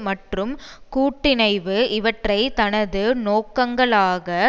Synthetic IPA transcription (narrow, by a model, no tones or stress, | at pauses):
mɐʈrɯmkuːʈːɪnɐɪʋɯʔɪʋɐʈrɐɪt̪ɐnɐðɯnoːkːɐŋɡɐɭaːɣɐ